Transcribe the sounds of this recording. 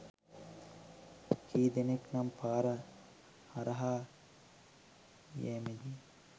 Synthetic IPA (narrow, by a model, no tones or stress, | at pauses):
kʰiːd̪eneknɐmpaːɾɐ | hɐɾɐɦaː | jeːmedi